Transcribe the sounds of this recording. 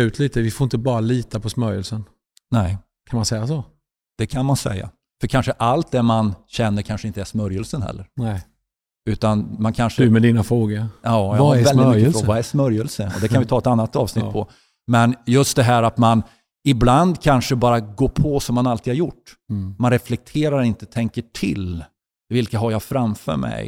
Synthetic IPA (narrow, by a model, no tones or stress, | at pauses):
ʉ̟ːt̪ʰliːt̪əvɪfoɾɪnt̪əbɑːɾaliːt̪apʰɔsmœɾjəlsən | nɛː | kʰanmansɛjːaso | d̪̥ɛkʰanmansɛ̰jːa̰ | fœɾkʰanʂəʔalt̪̚d̪ɛmanɕɛnːəɾkʰanʂəɪnt̪əæsmœɾjəlsənɦɛ̰lːəɾ | ʉ̟ːt̪anmankʰanʂədɵmɛd̪iːnafɾoːɡəɑːjavldɪt̪mkːəvaɛsmœɾjəlsəɔ̰d̪ɛkʰanvɪt̪ʰɑːɛt̪anːat̪ːɑ̰ːvsnɪt̪ːpʰɔ | mɛnjɵst̪̚d̪ɛɦæːɾat̪man | ɪbland̪kʰanʂəbɑːɾaɡoːɾpʰɔsɔmːanalt̪ʰid̪haɾjʊʈːmanɾɛflɛk̚t̪ʰeːɾaɾɪnt̪ət̪ʰɛŋkəʈʰɪ̰l | vɪlkaɦaɾjafɾamfœ̰ːɾmɛ̰j